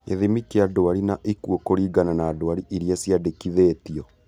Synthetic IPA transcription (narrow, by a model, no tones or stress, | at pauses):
ḛðimikeadoaɾinaʔikuokoɾiːɡananaːdowaɾiʔiɾiasjadekiðetiɔ